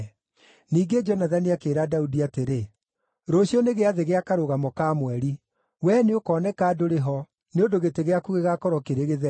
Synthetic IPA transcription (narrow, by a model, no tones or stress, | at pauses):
niːɡed͡ʒɔnaðaniakeːɾadaudiateɾe | ɾoɕjɔneɣeaðeɣeakaɾoɣamɔkamwɛɾi | wɛneokɔːnɛkaːdoɾeɦɔ | neondoɣeteɣeakuɣeɣakɔɾɔkeɾeɣeðɛ